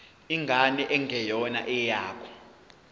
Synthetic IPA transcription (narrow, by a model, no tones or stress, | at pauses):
iŋɡʱanɛʔɛŋɡʱɛjɔna̰ʔɛjaːkʰɔ̥